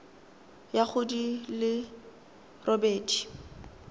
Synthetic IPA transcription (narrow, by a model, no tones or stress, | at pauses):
jaχʊdilɪ | rʔɔbɛːtʰi̥